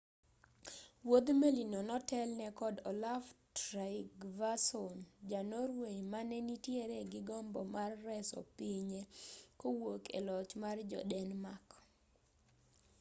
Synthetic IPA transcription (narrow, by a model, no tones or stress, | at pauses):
wod̪melinɔnɔtɛlnɛkɔdɔlavtɾaɪɡvasɔnd͡ʒanoɾweɲmanɛnitjeɾɛɡɪɡɔmbɔmarːɛsɔ̰piɲekowokʰḛlɔt͡ʃmard͡ʒɔ̰dɛnmak